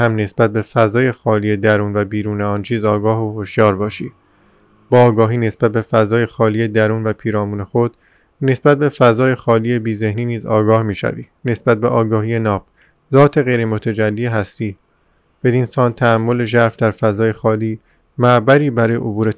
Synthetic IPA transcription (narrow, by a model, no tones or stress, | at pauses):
hæmne̞sb̥æt̪̚be̞fæzɒːje̞xɒːliːje̞d̪æɾuːnvæbiːɾuːneɒːnt͡ʃʰiːzɒːɡɒːɦohoʃjɒːɾbɒːʃiː | b̥ɒːɡɒːɦiːne̞sbæt̪̚be̞fæzɒːje̞xɒːliːje̞d̪æɾuːnvæpʰiːɾɒːmuːne̞xo̞d̪̥ | ne̞sbæt̪̚be̞fæzɒːje̞xɒːliːje̞biːze̞hniːniːzɒ̰ːɡɒːhmiːʃæ̰vḭːne̞sbæt̪̚beʔɒːɡɒːhiːje̞nɒːb̥̚ | zɒːt̪ʰe̞ɣe̞jɾemot̪ʰæd͡ʒælːiːeɦæst̪iː | b̥e̞d̪iːnsɒːnt̪ʰææmːo̞le̞ʒæɾfd̪æɾfæzɒːje̞xɒːliː | mæbæɾiːbæɾɒːjeʔobuːɾe̞